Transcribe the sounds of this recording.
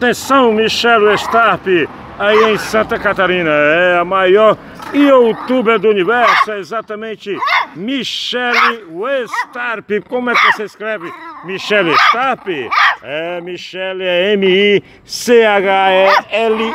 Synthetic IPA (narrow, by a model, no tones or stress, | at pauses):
at̪ẽsɐ̃w̃miʃɛlwest̪aɾpɪ | aiẽj̃sɐ̃nt̪ɐkat̪aɾĩnɐɛɐmajɔɾ | iowt̪ubɛd̪ʊunivɛɾsʊɛezat̪ɐmẽnt͡ʃɪmiʃɛlɪwest̪aɾpɪkõmʊɛkɪvoseiskɾɛvɪmiʃɛlest̪aɾpɪɛmiʃɛlɛẽmii | seaɡaɛɛlɪ